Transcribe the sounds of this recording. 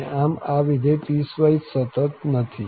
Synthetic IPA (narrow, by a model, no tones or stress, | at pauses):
ʔamaʋid̪ʱepiːsʋajt̪sət̪ət̪nət̪ʰi